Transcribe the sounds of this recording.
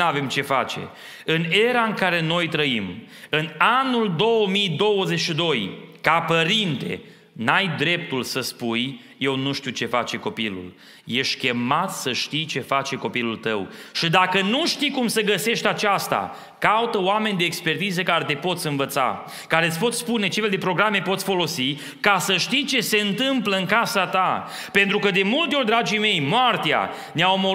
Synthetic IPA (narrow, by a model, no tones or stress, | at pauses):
ave̞mt͡ʃe̞fat͡ʃe̞̰ | ɨne̞ɾaɨŋkaɾe̞no̞jt̪ɾəim | ɨnanuld̪o̞wəmijd̪o̞wəzeʃid̪o̞jkapəɾint̪e̞̰ | najd̪ɾe̞p̚t̪ulsəspuj | je̞wnuʃt̪iut͡ʃe̞fat͡ʃe̞ko̞pilṵl | je̞ʃt̪ʲkʲe̞mat̪səʃt̪ijt͡ʃe̞fat͡ʃe̞ko̞pilult̪əwʃid̪akənuʃt̪ikumsəɡəse̞ʃt̪ʲat͡ʃast̪a̰ | kaut̪əoame̞nʲd̪eːkspe̞rt̪izəkaɾet̪e̞po̞t̪sʲɨnvət̪sa̰ | kaɾet̪ʲpot̪sspune̞t͡ʃe̞feld̪e̞pɾo̞ɡɾame̞po̞t̪sʲfo̞lo̞si | kasəʃt̪ijt͡ʃe̞se̞ɨnt̪ɨmpləɨŋkasat̪a | pe̞nt̪ɾukəd̪e̞mult̪eo̞rʲd̪ɾad͡ʒijme̞jmoart̪ea̰ | neaomo